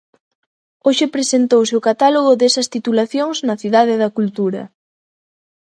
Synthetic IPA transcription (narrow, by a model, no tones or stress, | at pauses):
oʃɪpɾesent̪owsɪʊkat̪aloɣʊðesɐst̪it̪ulaθjoŋznɐθiðað̞ɪðɐkult̪uɾɐ̰